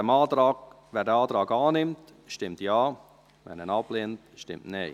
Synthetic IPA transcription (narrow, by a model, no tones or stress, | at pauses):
əmɑːtɾɑːɡ | vɛːɾdəɑːtɾɑːɡɑːnɪmt | ʃtɪmtjɑː | vɛ̰nənɑpleːntʃtɪ̰mtneː